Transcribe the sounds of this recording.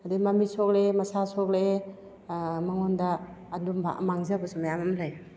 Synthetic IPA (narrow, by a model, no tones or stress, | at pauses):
adimamisɔk̚lemasasɔk̚le | maŋɔndaːdumba̰maŋzebasumajamamlaj